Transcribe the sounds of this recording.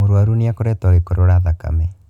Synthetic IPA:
oɾwaɾuneakoɾɛtɔɣekoɾoɾaðaka̰mɛ

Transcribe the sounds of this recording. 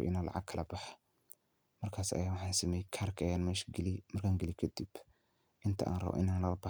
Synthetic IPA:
ʔɪnala̰ʕa̰ɡ̚kʰɐlɐbɐħḁ | mɐɾkʰaːsɐ̰jaːwʊħasɪmɛjkʰaɾkʰɐjanmɛʃɡɪlimɐɾkʰaŋɡɪlikʰɐd̪ib̥ | ʔɪnt̪ʰɐʔa̰ːnrɐ̰βo̰ʔɪnanːɐlɐba

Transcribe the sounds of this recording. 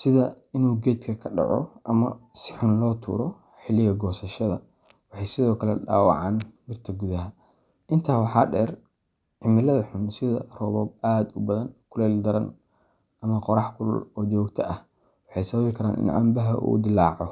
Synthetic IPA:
sɪðɐɪnuːɡɛːd̪kʰɐkʰɐɖɑ̰ʕɔ̰ʔɐmɐsɪħʊnlɔːt̪ʰṵːɾɔ | ħɪlːɪɣɐɡɔːsɐʃɐðɐ | wɑħɑjsɪðɔːkʰɐlɛ̰ɖa̰ːwɑ̰ʕɑ̰ːnmɪrt̪ʰɐɡuðɐɦɐ | ʔɪnt̪ʰaːwɑħɑːɖɛːr | ʕɪmɪlɐðɐħʊnsɪðɐ̰rɔːβɔːb̚aːd̪ʊbɐðɐnkʰʊlɛːld̪ɐɾɐn | ʔɐmɐqɔɾɑħkʰʊlɔ̰lɔːt͡ʃɔːɡt̪ʰɐɐh | wɑħɑjsɐβɐβɪkʰɐɾaːnʔɪ̰nʕɑ̰mbɐɦɐʔṵːd̪ɪlːaːʕɔ

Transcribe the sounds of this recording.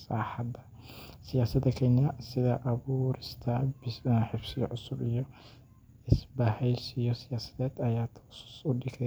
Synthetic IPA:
saħad̪ɐ | sɪjaːsɐd̪ɐkʰɛːnɪjɐsɪd̪ɐʔɐbuɾɪst̪ʰɐbɪħɪfsɪjɔ̰ʔʊsʊbɪjɔ | ɪsbahɛjsɪjɔsɪjaːsɐ̥d̪ɛːd̪ɐjaːt̪ʰsʊ̥sʊd̪ɪk̪ʰɛ

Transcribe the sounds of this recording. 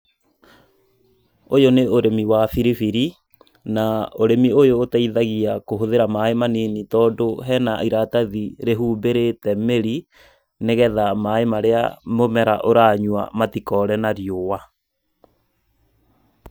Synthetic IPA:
ojoneoɾemiwafiɾifiɾi | naoɾemiojoːtaiðaɣiakoɦoðeɾamaemaninitɔːdoɦɛnaiɾataðiɾeɦuːbeɾetɛmeɾi | neɣɛðamaemaɾea̰momɛɾaʔoɾaːɲwa̰matikɔɾɛnaɾjowa

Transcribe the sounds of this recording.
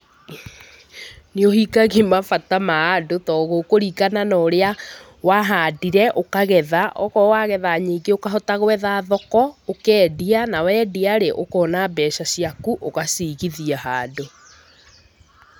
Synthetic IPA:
niohikaɣimafatamaadotɔɣokoɾikananɔːɾea | waɦadiɾɛʔokaɣɛðaʔɔ̰ɣɔwaɣɛðaɲiːɡeokaɦɔtaɣwɛðaːðɔkɔokɛːdianawɛːdiaɾeʔokɔnabɛʃasiakuʔoɣasiɣiðiaɦaːdo

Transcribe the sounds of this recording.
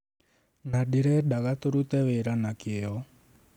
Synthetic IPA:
naɗiɾɛɗaɣat̪oɾut̪ɛweɾanakiɛɔ

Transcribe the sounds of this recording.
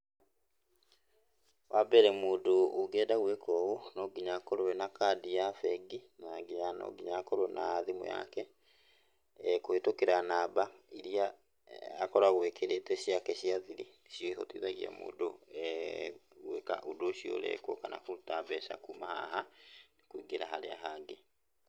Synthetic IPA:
wabɛɾɛmoːdooɡɛːdaɣwɛkɔɣonɔɡiɲakɔɾowɛnakadiafɛɡinaŋɡiɲanɔ̰ɡiɲakoɾonʔaðimo̰ja̰kɛ | kohetokeɾanaːbaiɾiaː | kɔɾaɣwɛkʰeɾetɛʃiakɛʃiaðiɾi | ʃjoiho̰twḭːðaɣia̰mo̰ːdo | ɣweka̰ʔudoʃio̰lɛ̰kwo̰kana̰kutaβɛʃa̰kumaha̰hanekwiɡeɾaɦaɾeaɦaːŋɡe

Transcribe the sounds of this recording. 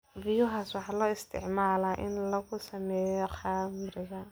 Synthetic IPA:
bɪjʊɦaːswɑħɑːlɔːɪst̪ʰɪ̰ʕmaːlaːʔɪnlɐɣʊsɐmɛːjɔqɑːmɾɪɣɐ

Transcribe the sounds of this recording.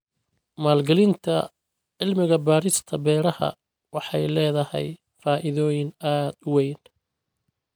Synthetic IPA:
maːlɡɐlɪnt̪ʰɐ̰ | ʕɪlmɪɣɐbaːɾɪst̪ʰɐbɛːɾɐhɐ̰ | wɑħɑjlɛːðɐhɛ̰j | faːʔɪðɔːjɪnaːd̪ʊwɛjn

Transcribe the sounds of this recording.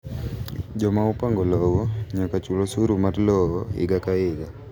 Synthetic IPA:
d͡ʒɔmaupaŋɡɔlɔwɔɲakat͡ʃulosuɾumatlɔɔɪ̰ɡakaɪɡa

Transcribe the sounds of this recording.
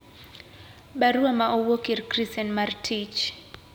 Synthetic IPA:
ɓaɾuamaʔɔwɔkiɾkɾisɛnmaɾtʰit͡ʃ

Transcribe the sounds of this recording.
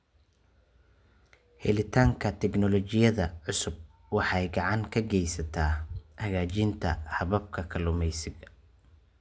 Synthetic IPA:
hɛ̰lɪt̪ʰaːŋkʰɐt̪ʰɛɡnɔlɔt͡ʃɪjɐðɐʕʊsʊb̚ | wɑħɑjɡɑʕɑŋkʰɐɡɛjsɐt̪ʰaːhɐɣaːt͡ʃɪnt̪ʰɐ̰hɐβɐb̚kʰɐkʰɐlʊmɛjsɪɡɐ

